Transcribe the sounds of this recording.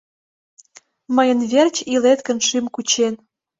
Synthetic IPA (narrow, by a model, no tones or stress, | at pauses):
məjənβʲert͡ɕilet̪kə̆nʃimkut͡ɕen